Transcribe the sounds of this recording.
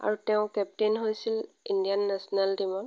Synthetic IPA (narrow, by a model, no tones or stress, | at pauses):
a̰ɹutɛʊ̃kɛp̚tenɦojsil | indijanːɛsɔnaldimɔŋ